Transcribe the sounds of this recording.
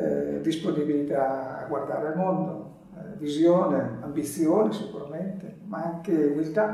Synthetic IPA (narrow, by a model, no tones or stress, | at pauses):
ɛ̰d̪isponibilit̪a̰ːɡward̪aːɾalmond̪o | ɛvizjoːneambit̪sːjoːnesikṵɾament̪e | maaŋkeumilt̪a